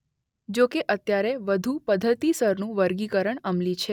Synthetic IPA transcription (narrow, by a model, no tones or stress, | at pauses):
d͡ʒokeʔət̪jaɾeʋəd̪ʱupəd̪ʱːət̪isəɾnũʋəɾɡikəɾəɳəmlit͡ʃʰe